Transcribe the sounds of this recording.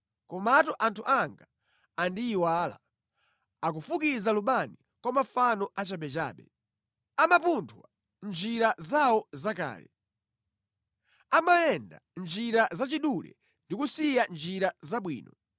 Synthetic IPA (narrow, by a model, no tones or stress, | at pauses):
kɔmatɔʔantʰuʔaŋɡaː | ndiːwaːla̰ | ak̬ufukizaluɓani | kwɔmafanɔʔat͡ʃaɓɛt͡ʃa̰ːɓɛ̰ | amapuntʰwa | nd͡ʒiɾazawɔzaka̰ːlɛ̰ | amajɛnda̰nd͡ʒiɾazat͡ʃiɗulɛ̰ | ndikusijand͡ʒiɾazaɓwḭːnɔ